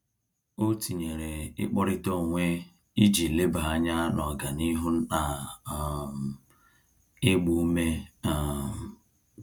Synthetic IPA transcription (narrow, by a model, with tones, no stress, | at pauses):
o˦ti˨ɲe˨ɾe˨ɪ̰˦k͡pɔ˦ɾɪ˦to˦˨ŋʷe˦ | i˦d͡ʒi˨le˦ba˨a˦ɲa˦nɔ˨ɡa˨ni˦ɦʊ˦n̩˦na˨ | m˨ | ɪ˦ɡ͡bu˨u˦me˦a˨m˨